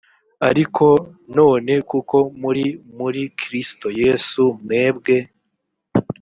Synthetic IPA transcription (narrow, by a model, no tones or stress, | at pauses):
aɾikʰo̞no̞ːne̞kuko̞muɾimuɾikʰɾisto̞je̞ːsumŋe̞ːbɡe̞